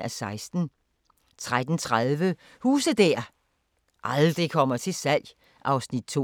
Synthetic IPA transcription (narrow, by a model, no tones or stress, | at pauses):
æsɑ̈ɪsd̥n̩ | t͡sʰʁad̥n̩t͡sʰʁaðˠʋə | huːsəd̥æɐ̰ | ʔɑ̈ld̥ʁikʰɒ̽m̰ɐt͡sʰe̝lsæl̰j | ʔɑ̈ʊsnid̥̚t͡sʰo̝̰